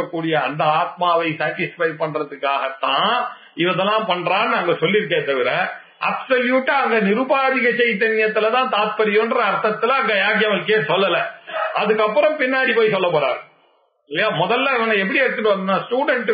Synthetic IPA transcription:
ɐkːuːɽɪjɐɐnd̪ɐaːt̪̚maːʋɐɪsaːʈɪsfɐɪpɐɳɾɐðɯkːaːɣɐt̪ːãː | ɪʋɐðɐlːãːpɐɳːɾaːnːɯɐŋɡɐsɔlːɪɾɯk̬ːɐːt̪ːɐʋɪɾɐ | ʔɐpsɐljuːʈːɐɐŋɡɐnɪɾɯbaːðɪɣɐt͡ʃɛjt̪̬ːɐnɪjɐt̪ːɯlɐt̪ãːt̪aːt̪̚pɐɾɪjonɾɐːɾt̪ɐt̪ːɯlɐɐŋɡɐjaːɣjɐmɐlɯkːeːsɔlːɐlɐɐðɯkːɐpːɯɾɔ̃mpɪnːaːɽipoːjsɔlːɐp̬ɐːɾa̰ːɾ | ɪlɪjaːmɔðɐlːɐnɐŋɡɐɛp̬ːɐɽiɐɾɯt̪ːɯʈːɯʋɐnɯnaːsʈuːɽɛɳʈ

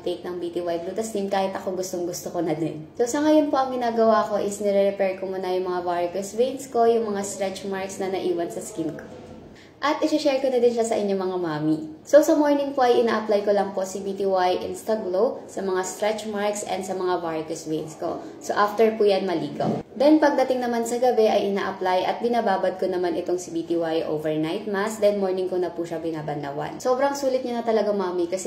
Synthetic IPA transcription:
t̪ejk̚nɐŋbit̪iwajbluːt̪ɐsnimkaːhɪt̪ɐko̞ɡʊst̪oŋɡʊst̪okonɐd̪ɛnsosɐŋɐjonpo̞ʔɐŋɡɪnaːɡɐwaɐko̞ʔɪsnɛɾɛɾɛpɛɹkomunɐjʊŋmɐŋavaɹkʊswejnsko̞jʊŋmɐŋast̪ɾɛt͡ʃmaɹksnɐnɐʔiːwɐnsɐskinko̥ | ʔɐt̪ʔɪsɪʃɛɹkonɐd̪ɪnʃasɐʔɪɲo̞mɐŋamaːmiso̞sɐmoɹnɪŋpoʔɐjʔɪnaːʔɐplajkolɐŋpo̞sibit̪iwajʔɪ̰nst̪ɐɡlosɐmɐŋast̪ɾɛt͡ʃmaɹksʔɛ̰nd̪sɐmɐŋavaɹkɛswejnsko̞̰ | soʔaft̪ɛɹpuːjanmɐliːɡɐ̰wd̪ɛnpɐɡ̚d̪ɐt̪ɪŋnɐmansɐɡɐbɛʔɐjʔɪna̰ːʔɐplajʔɐ̰t̪̚bɪnaːbaːbɐd̪̚konɐmanɪt̪o̞ŋsɪbiːt̪iwajʔo̰ːvɛɹnajt̪̚masd̪ɛnmoɹnɪŋkonɐpuʃɐbɪnaːbɐnd̪ɐ̰wa̰nso̞ːbɾɐŋsuːlɪt̪̚ɲɐnɐt̪ɐlɐɡamaːmikɐsɛ

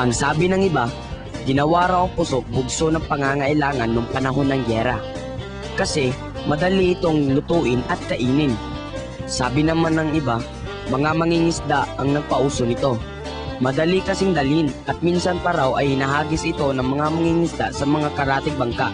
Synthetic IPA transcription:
ʔɐŋsaːbɪnɐŋɪba | ɡɪnɐwaɾawɐŋpʊso̞k̚bʊɡsonɐŋpɐŋaːŋɐʔɪlaːŋɐnːoŋpɐnɐɦo̞nːɐŋɡɛːɾɐ̰ | kɐsɛ | mɐd̪ɐliʔɪt̪o̞ŋlʊt̪uːʔɪnʔɐt̪̚kɐʔiːnɪn | saːbɪnɐmanɐŋɪba | mɐŋamɐŋiŋɪsd̪aɐŋnɐɡ̚pɐʔuːsonɪt̪o̞ | mɐd̪ɐlikɐsɪŋd̪ɐlɪnʔɐt̪̚minsɐnpɐɾawɐjhɪnɐɦaːɡɪsɪt̪o̞nɐŋmɐŋamɐŋiŋɪsd̪asɐmɐŋakɐɾaːt̪ɪɡ̚bɐŋka̰ʔ

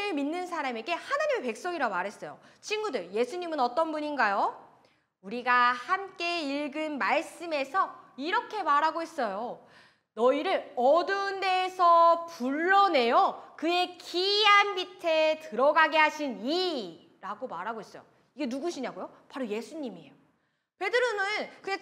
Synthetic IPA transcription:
ɯɭminːɯnsʰaɾame̞ɡe̞hanaɲime̞pe̞k̚s͈oɡiɾaɡomaɾɦe̞s͈ʌjo̰ | t͡ɕʰinɡudɯɾje̞sʰuɲimɯnʌt͈ʌnbuɲinɡajo | uɾiɡahamk͈e̞iɭɡɯnmaɭs͈ɯme̞sʰʌiɾʌkʰe̞maɾɦaɡoɦe̞s͈ʌjo | nʌiɾɯɭʌdɯnde̞ːsʰʌpuɭːʌne̞jokɯe̞kiɦanbitʰe̞tɯɾʌɡaɡeɦaɕʰini | ɾaɡomaɾɦaɡoɦes͈ʌjo̰ | iɡe̞nuɡuɕʰiɲaɡojo | paɾoje̞sʰuɲimiḛjo | pe̞dɯɾonɯnkɯɡe

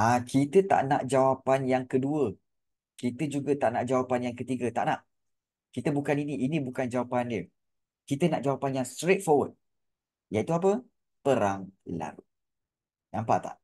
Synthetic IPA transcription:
ʔakit̪ət̪a̰ʔna̰ʔd͡ʒawapanjaŋkəduə | kit̪əd͡ʒuɡət̪aʔnaʔd͡ʒawapanjaŋkət̪iɡət̪a̰ʔnaʔ | kit̪əbukaniniʔinibukand͡ʒawapandiə | kit̪ənaʔd͡ʒawapanjaŋst̪ɾet̪̚fɔwəd̪̚ | jait̪uap̬ə | pəɾaŋla̰ɾu | nampa̰ʔt̪a̰ʔ

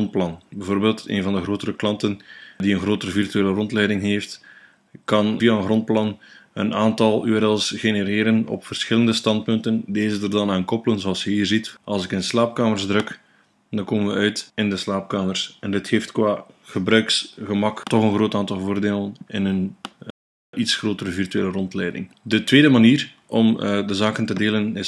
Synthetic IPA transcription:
nt̚plɑnbɛvoːrbeːlˠtḛːnvɑndəɣroːtəɾəklɑntəndiənɣroːtəɾəvirtyeːlərɔntlɛjdɪŋɦeːft | kɑnvijaənɣrɔnt̚plɑnə̰naːntɑlˠy̰ɛɾɛlˠsɣeneɾeːɾənɔ̰pfərsxɪləndəstɑnt̚pɵntəndeːzədərdɑnaːnkɔpələnzoɑlˠsjəɦiːrzitɑlˠsɪkənslaːp̚kaːmərzdrɵk | dɑŋkoːmənʋəœɥtɪndəslaːp̚kaːmərsɛndɪtxeːftkwaːɣəbɾœɥksɣəmɑktɔχənɣroːtaːntɑlˠvoːrdeːlənɪ̰nən | itsxroːtəɾəvirtyeːlərɔntlɛjdɪ̰ŋ | dətweːdəmaniːr | ɔmdəzaːkəntədeːlənɪ

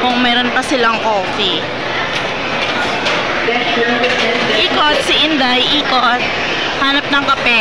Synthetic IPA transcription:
kʊŋmɛːɾonpɐsɪlɐŋkoːfi | ʔiːkot̪̚sɪʔɪnd̪ɐjʔiːkot̪̚ | haːnɐp̚nɐŋkɐpɛ

